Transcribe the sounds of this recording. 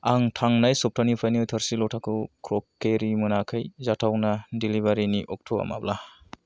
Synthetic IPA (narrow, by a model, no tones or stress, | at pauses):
aŋtʰaŋnajsɔp̚tʰanipʰajniɔjtʰaɾsilɔtʰakʰukʰɾɔkːeɾimunakʰɯjzatʰawnadilibaɾiniʔɔk̚tʰoa̰ma̰bla